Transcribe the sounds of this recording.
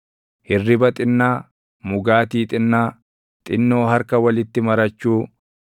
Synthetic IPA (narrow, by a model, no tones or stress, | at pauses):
hɪrːɪbɐt̪ʼɪnːaː | mʊɡaːt̪iːt̪ʼɪnːaː | t̪ʼɪnːoːɦɐɾkɐwɐlɪt̪ːɪmɐɾɐt͡ʃːuː